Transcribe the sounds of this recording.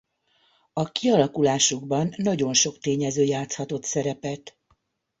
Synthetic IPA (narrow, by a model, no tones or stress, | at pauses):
ɒkiɒlɒkulaːʃuɡbɒnːɒɟo̞nʃo̞kt̪eːɲɛzøːjaːt̪shɒt̪o̞t̪sɛɾɛpɛt̪